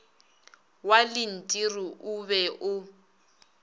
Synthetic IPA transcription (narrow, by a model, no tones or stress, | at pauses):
walɪn̩tʼiriʔuβɛʔʊ